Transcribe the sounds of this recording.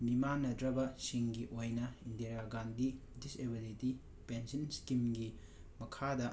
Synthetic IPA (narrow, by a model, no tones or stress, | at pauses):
bimanːɐdɾɐbɐsiŋɡiʔojnɐindeɾaɡandi | disebiliti | pensɐnskimɡi | mɐkʰadɐ